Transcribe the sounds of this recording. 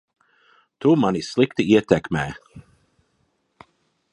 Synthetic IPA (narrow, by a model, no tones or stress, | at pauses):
t̪umanislˠikt̪iiɛt̪ʲɛkmɛː